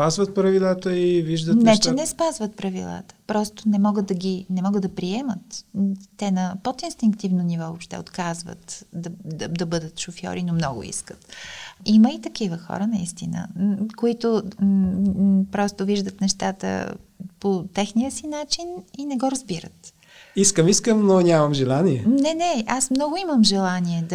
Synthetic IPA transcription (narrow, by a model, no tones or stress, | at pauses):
pazvət̪̚pɾɐvilˠat̪əiviʒd̪ənɛt͡ʃɛnɛspazvət̪̚pɾɐvilˠa̰t̪ə̥pɾɔst̪onɛmɔɡəd̪̚d̪ɐɡʲinɛmɔɡəd̪ɐpɾiɛmət̪t̪ɛnəpot̪inst̪iŋkt̪ivnonivɔvopʃt̪ɛ̰ot̪kazvə̰t̪d̪d̪d̪ɐbɤd̪ət̪ʃofjɔ̰ɾinomnɔɡʊ̰ḭskə̥t̪iməit̪ɐkivəxɔ̰ɾənɐist̪inə̰koit̪o | pɾɔst̪ʊviʒd̪ət̪nɛʃt̪at̪ə̰pot̪ɛxnijəsinat͡ʃininɛɡɔɾɐzbiɾə̰t̪ | iskəmiskəmnonʲamɐmʒɛlˠaniɛnɛnɛasmnɔɡʊiməmʒɛlˠaniɛd̪